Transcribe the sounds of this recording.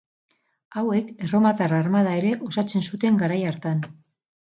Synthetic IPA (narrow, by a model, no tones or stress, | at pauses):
awe̞kero̞mat̪ararmað̞ae̞ɾe̞ʔo̞sat͡se̞nsut̪e̞ŋɡaɾajaɾt̪an